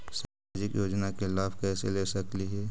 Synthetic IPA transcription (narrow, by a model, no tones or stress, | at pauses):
saːmaːd͡ʒɪkjoːd͡ʒnakeɪlaːpʰkɛːseleːsɐkliɦɛ